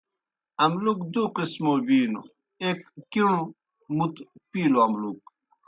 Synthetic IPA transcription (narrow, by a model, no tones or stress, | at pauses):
ɐmlukd̪uqismoːbiːno̰ | ekːiɳ̃ũ | mut̪piːloɐmluk̚